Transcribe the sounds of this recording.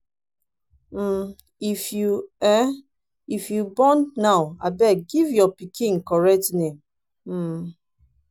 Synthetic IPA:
m̩ | ifjuɛ | ifjubɔnːawabɛɡivjɔpikʰĩnkɔɹɛk̚tnem̩

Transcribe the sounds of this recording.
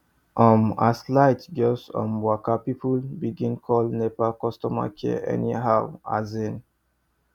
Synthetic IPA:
ʔɔ̃ma̰slaɪtd͡ʒɔsɔ̰̃nwakapipulbiɡĩnkʰɔlnepakɔstɔma̰kʰɛʔɛ̰niɦaʊa̰zĩn

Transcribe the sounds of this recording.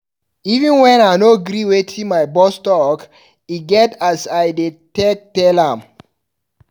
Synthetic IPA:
ivə̃nwɛ̃naɪnoɡɾiwetʰĩmaɪbɔstɔk | iɡɛtasaɪdetek̚tɛlãm

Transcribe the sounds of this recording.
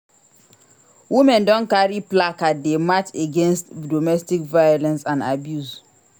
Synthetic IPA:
wimɛ̃ndɔ̃nkaɾiplakatdemateɡẽnstdomɛstikvajolɛ̃nsãnabjus

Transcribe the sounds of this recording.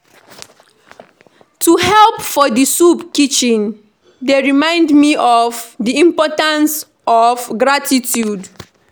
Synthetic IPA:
tuhɛlpfɔdisupkit͡ʃĩn | deɹimãɪ̃ndmiʔɔvdiĩmpɔtãns | ɔvɡɹatitʰjud

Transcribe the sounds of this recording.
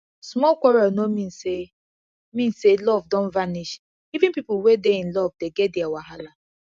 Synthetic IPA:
smɔlkʷɔɾanomĩnse | mĩnselɔvdɔ̃nvaniʃ | ivĩnpipʊlwedeĩnlɔvdeɡɛt̚dɪawaɦala

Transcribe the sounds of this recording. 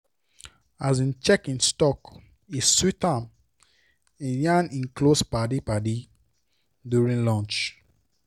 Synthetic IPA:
azĩnt͡ʃɛkĩnstɔk | isswitam | ijãnĩnklospadipadi | djuɹĩnlɔ̃nt͡ʃ

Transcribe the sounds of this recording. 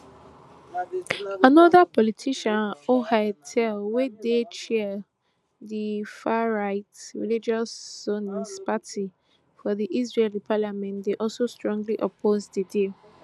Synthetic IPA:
anɔðapɔlitʰiʃãnohatʰɛlwedet͡ʃɛ | difaɹaɪtɹḭlid͡ʒasonispatʰi | fɔðiʔis̬ɹelipʰalamɛ̃ntdeʔɔlsostɹɔ̃ŋɡliʔɔpʰozdidi

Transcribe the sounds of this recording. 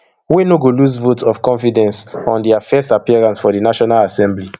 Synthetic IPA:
winoɡoluzvotɔv̥kɔ̃nfidɛ̃nsɔ̃ndiafɛstapiɛɹãnsfɔdinaʃɔnalasɛ̃mbli

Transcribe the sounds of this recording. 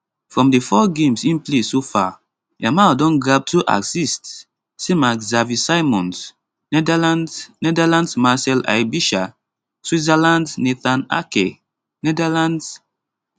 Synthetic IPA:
fɹɔ̃mdefɔɡẽmsĩnplesofa | jamadɔ̃nɡɹab̚tʰuʔa̰ksistː | emakzavisajmɔ̃ns | nɛdalãndsnɛdalãndsmasɛla̰jbiʃa | swizalãndneθana̰kḛ | nɛdalãnds

